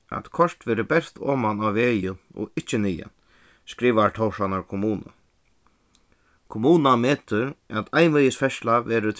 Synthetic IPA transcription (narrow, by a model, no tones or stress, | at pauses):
æ̰t̪kʰɔɹ̥t̪ʋɛːɾəbɛst̪ʰo̰ːmanawʋeːjəɔ̰ɪht͡ʃɪniːja̰n | skɾiːʋaɹt̪ʰowʂanaɾkʰʊmuːna̰ | kʰʊmuːnameːt̪ʏɾæt̪ʰajnʋɛjəsfɛʃlaʋɛːɾɪt̪ʰ